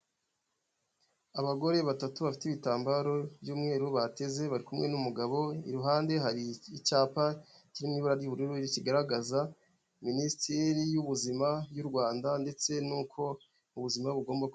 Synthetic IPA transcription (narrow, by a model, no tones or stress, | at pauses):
aβaɡo̞ɾe̞βatatuβafi̥tiβitaːmbaɾo̞bjuːmŋe̞ːɾuβate̞ze̞βaɾikumŋe̞numuɡaβo̞iɾuɦaːnde̞ɦaɾiːcaːpaciɾimŋiːβuɾaɾjuβuɾuɾuiɾiciɡaɾaɡaza | ministʰeɾijuβuzimaβjuɾɡwaːndande̞t͡se̞nuːkʰo̞ | uβuzimaβuɡo̞ːmbak